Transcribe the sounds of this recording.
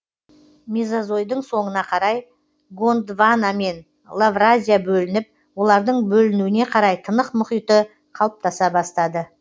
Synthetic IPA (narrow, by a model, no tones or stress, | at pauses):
mizazo̞jd̪əɴso̞ɴənɑqʰɑɾɑj | ɡo̞nd̪vaname̞n | lˠavrazʲijabɵlɪnɪp̚ | wo̞lˠɑɾd̪əɴbɵlɪnuwɪne̞qʰɑɾɑjt̪ʰənəqmʊχijt̪ə | qʰɑlˠəp̚t̪ɑsɑbɑst̪ɑd̪ə